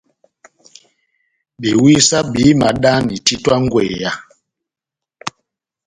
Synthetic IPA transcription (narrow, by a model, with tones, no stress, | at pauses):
bi˨wi˦sa˦bi˨˦ma˨ɗa˦ni˨ti˦twa˦ŋ˦ɡwḛ˨ja˦